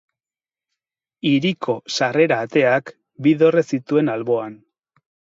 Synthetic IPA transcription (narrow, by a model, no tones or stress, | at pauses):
iɾikʰo̞sare̞ɾaːt̪e̞ak | biðo̞re̞sit̪ue̞nalβo̞an